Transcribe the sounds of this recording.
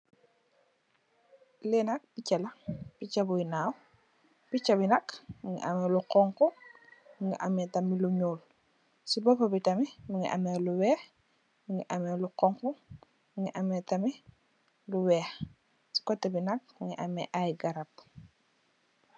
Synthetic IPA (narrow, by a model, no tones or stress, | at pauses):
lɛnak̚picɛlɐpicabujnaːw | pit͡ʃɐbinɐkmiŋḭʔa̰meluqɔŋkɔ | miŋiʔamɛtɐmiluɲuːl | sibɔpɐbitɐmimiŋḭʔa̰meluwɛːx | miŋiʔamɛːluqɔŋku | miŋiʔamɛtɐmi | luwɛːx | si̥kɔtːɐbinɐk̚miŋḭʔamɛ̰ʔajɡɐɾɐp̚